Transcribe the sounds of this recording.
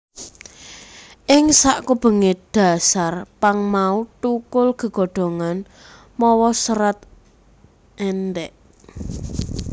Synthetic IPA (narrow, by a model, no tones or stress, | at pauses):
ʔɪŋsaʔkub̥ə̤ŋeɖ̥a̤sarpaŋmaut̪ukʊlɡ̥ə̤ɡ̥o̤ɖ̥o̤ŋan | mɔwɔsəɾat̪̚ | ʔɛnd̪ɛʔ